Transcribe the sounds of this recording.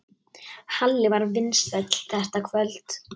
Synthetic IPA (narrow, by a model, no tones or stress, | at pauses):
halːɪvaɾvɪnsɛt̪l̥θɛht̪akʰvœlt̪